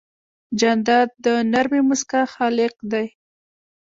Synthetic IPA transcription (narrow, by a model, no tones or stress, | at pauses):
d͡ʒand̪ɑd̪̚d̪ənaɾmemʊskaxɑlɪq̚d̪aj